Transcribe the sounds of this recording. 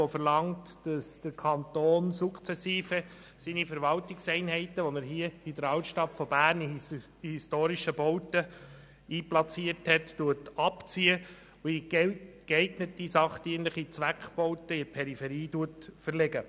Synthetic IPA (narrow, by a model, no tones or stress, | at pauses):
ofəɾlɑŋtd̥ɑsd̥əɾkʰɑntoːnsukχt͡sɛsiːfə | sinifəɾʋɑltɪksɛɪnɦɛɪtəʋonəɾɦiəidəɾɑwtʃtɑtfɔbæːɾni | histoːɾiʃəbɔwtə | iːplɑt͡siəthɛttuətɑpt͡siə | ʊikɛɪtnətːisɑχtiənləχit͡sʋækχb̥ɔʊtəɪpʰɛɾifɛɾiːtuətfəɾlɛɡə